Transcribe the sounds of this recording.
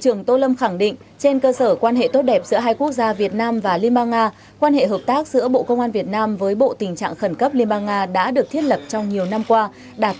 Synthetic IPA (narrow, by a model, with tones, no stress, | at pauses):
t͡ɕɨ˧˩əŋt̪o˧lə˧mxa˧˩ŋɗḭ̈˧˨ŋ̟ | t͡ɕe˧nkəː˧səː˧˩kwaː˧nɦḛ˧˨t̪o˦˥t̚ɗɛ˨˩p̚z̥ɨ̰˧˥əɦaː˧jku˦˥ək̚zaː˧vi˨˩ət̚naː˧mvaː˨˩li˧ɓaː˧ŋʔaː˧ | kwaː˧nhḛ˧˨ɦəː˨˩p̚t̪aː˦˥k̚z̥ɨ̰˧˥əɓo̰˧˨kə˧wŋ͡mʔaː˧nvi˨˩ət̚naː˧mvəː˨˦jɓo̰˧˨t̪ï˨˩ŋt͡ɕa̰ː˧˨ŋxə˧˩nkə˦˥p̚li˧ənɓaː˧ŋʔaː˧ɗa̰ː˧˥ɗɨ˨˩ək̚t̪ʰi˦˥ət̚lə˨˩p̚t͡ɕɔ˧wŋ͡mɲi˨˩əwna˧mkwaː˧ | ɗaː˨˩t̚